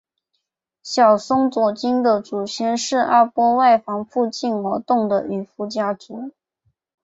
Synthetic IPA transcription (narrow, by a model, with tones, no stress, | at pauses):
ɕjɑ˨˩ʊsʊ˥ŋt͡swɔ˨˩t͡ɕi˥nd̪ə˨t͡su˨˩ɕjɛ˧˥nʂɻ̩˥˩ʔa˥pwɔ˥wa˥˩ɪfɑ˧˥ŋfu˥˧t͡ɕi˥˩nwɔ˧˥t̪ʊ˥˩ŋd̪ə˨y˨˩fu˧˥t͡ɕja˥t͡su˧˥